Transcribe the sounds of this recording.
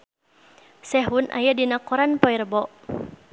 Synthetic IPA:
sɛɦunʔa̰jadinakɔɾanpɔirbɔʔ

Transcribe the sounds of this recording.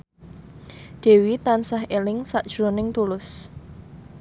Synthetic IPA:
ɖ̪̥e̤wit̪ansaɦelɪŋsaʔd̥ʒ̥ɾonɪŋt̪ulʊs

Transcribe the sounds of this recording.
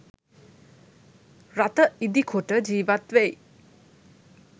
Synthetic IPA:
ɾat̪əid̪ikʰuʈəd͡ʒiːbat̪ʋej

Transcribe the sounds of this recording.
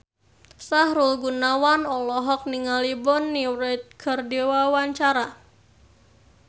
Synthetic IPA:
saɦɾulɡunawanɔlɔɦɔk̚niŋalibɔnːiɾɛt̪̚kʰərdewawaɲt͡ʃaɾa

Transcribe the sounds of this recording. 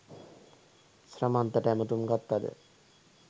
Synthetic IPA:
sɾamant̪aʈɛmot̪umɡat̪ːad̪ḛ

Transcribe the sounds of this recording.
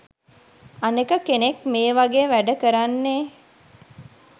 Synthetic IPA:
anekəkenekmeːʋaɡeːʋæɖəkəɾanːe

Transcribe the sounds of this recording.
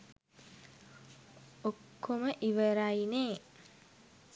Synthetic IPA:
okːoməʔiʋəɾajneː

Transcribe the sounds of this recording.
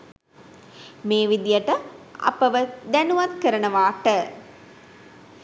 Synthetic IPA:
meːʋid̪ijəʈəa̰pəʋəd̪ænuʋat̪̚kəɾənəʋaːʈə

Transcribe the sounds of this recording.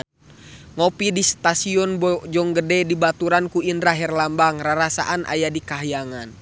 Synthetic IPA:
ŋɔpidist̪asiɔnbd͡ʒɔŋɡədɛdibat̪uɾankuinɾaɦɛrlambaŋraɾasa̰ʔanʔa̰jadikaɦjaŋan

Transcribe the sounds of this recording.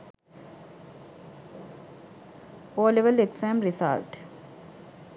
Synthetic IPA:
oːleʋəleɡsãːmɾisa̰lʈ

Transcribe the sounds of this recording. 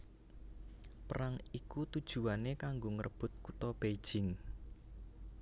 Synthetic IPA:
pəɾaŋikut̪ud̥ʒ̥ṳwanekaŋɡoŋəɾʔəb̥ʊ̤t̪̚kut̪ɔb̥ed̥ʒ̥ɪŋ

